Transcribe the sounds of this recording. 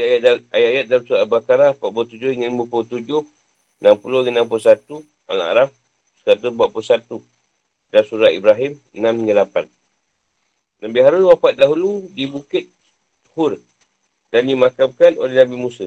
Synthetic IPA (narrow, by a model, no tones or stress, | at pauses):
ajaajaajat̪̚damsuɾabakaɾahpaʔ̚buat̪ud͡ʒʊhiŋəlməput̪ud͡ʒʊh | nampulʊŋənamp̬ulsat̪u | ʔa̰la̰ɾaf | sə̥kat̪əbaʔpusat̪u | dasuɾaʔḭbɾaɦimənamɲəlapan | nabiɦaɾʊnwapat̪̚daɦuludibukɪt̪̚ | hʊr | danimakamkano̰lehnabimusa